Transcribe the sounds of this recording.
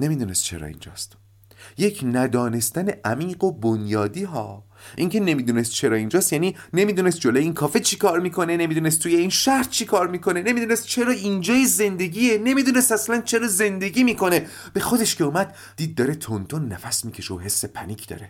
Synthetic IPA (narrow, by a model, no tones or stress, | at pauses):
ne̞mid̪uːnest̪̚t͡ʃʰe̞̰ɾɒ̰ːḭnd͡ʒɒ̰ːst̪ | je̞cʰnæd̪ɒːne̞st̪æne̞ʔæmiːɢo̞bonjɒːd̪iːɦɒ̰ː | ʔiŋcʰe̞ne̞miːd̪uːnest̪̚t͡ʃʰe̞ɾɒːind͡ʒɒːst̪jæːnine̞miːd̪uːnest̪̚d͡ʒolojeiːnkʰɒːfet͡ʃʰikʰɒːɾmiːkʰo̞ne̞ne̞mid̪uːnest̪uːje̞inʃæhɾt͡ʃʰikʰɒːɾmiːkʰo̞ne̞ne̞mid̪uːnest̪̚t͡ʃʰe̞ɾɒːind͡ʒɒːjeze̞nd̪e̞ɟʲiːene̞mid̪uːnest̪æslænt͡ʃʰe̞ɾɒːze̞nd̪e̞ɟʲiːmiːkʰo̞ne̞ | b̥e̞xo̞d̪e̞ʃkʰe̞uːmæd̪̚ | d̪iːd̪̚ːɒːɾe̞t̪ʰont̪ʰonːæfæsmiːcʰe̞ʃeɦesːepʰæniːkʰd̪ɒ̰ːɾe̞